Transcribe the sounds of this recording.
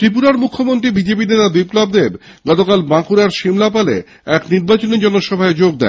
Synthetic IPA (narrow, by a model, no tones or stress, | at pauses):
ʈ̪ɾipuɾaɾmukʰːomont̪ɾibid͡ʑep̬inet̪abiplobd̪eb | ɡɔt̪okalbãkuɾaɾʃimlapalḛ | ɛkniɾbat͡ɕonid͡ʑɔnoʃɔbʱaed͡ʑoɡ̚d̪ɛ̰